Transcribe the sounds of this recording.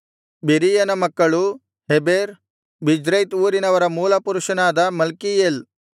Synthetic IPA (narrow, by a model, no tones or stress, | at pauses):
beɾijɐnɐmɐkːɐɭu | ɦebeːɾ | bid͡ʒɾɐjt̪uːɾinɐʋɐɾɐmuːlɐpuɾuʂɐnaːd̪ɐmɐlkijeːl